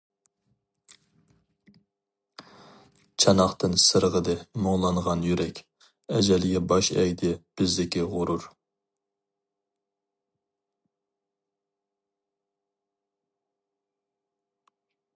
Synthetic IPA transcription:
t͡ʃʰɑnɑχt̪ʰɨnsɨɾəʁəd̪ɨmoŋlˠɑnʁɑnjyɾɛkʲ | ɛd͡ʒɛlɪɡʲɛbɑʃɛ̰jd̪ɪb̥ɪzd̪ɪkʲiʁʊɾuɾ

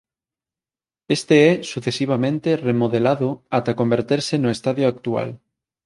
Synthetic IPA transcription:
est̪eɛsuθesiβ̞amẽnt̪eremoðelaðoat̪akombeɾt̪eɾsenoest̪aðjoak̚t̪ua̰l

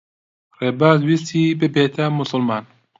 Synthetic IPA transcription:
reːbaːzwist̪ʰiːbɨbeːt̪ʰɐmʊsʊlmɑːn

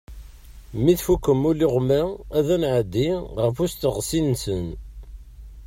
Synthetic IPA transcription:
miθfukːəmːʊliʁmææðænʕəd̪ːiʁəfʊst̪əʁsinsən

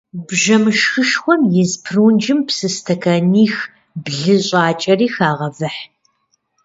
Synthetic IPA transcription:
bʒɐmɨʃxɨʃxʷɔmjɪzpʰruːnd͡ʒɪmpsɨstʰɐkʰɐniːx | bɮɨɕʼɑːt͡ʃʼɐriːxaːʁɐvɨħ

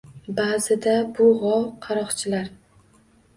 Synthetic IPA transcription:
baːzɪd̪abʊʁɒwqʰɑɾɒχt͡ʃʰɪlaɾ

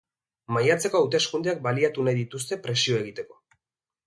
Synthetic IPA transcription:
majat͡se̞ko̞awt̪̬e̞skund̪eak̚baliat̪unajðit̪us̬t̪e̞pɾe̞sio̞e̞ɣit̪e̞ko̞

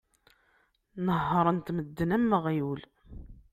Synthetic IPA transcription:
nəɦːəɾˤənt̪məd̪ːənæmːəʁjul

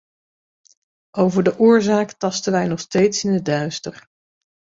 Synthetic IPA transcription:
ʔowvəɹdəʔʊːɹzaːktɑstənʋɛjnɔχstejtsɪnədœɥstər

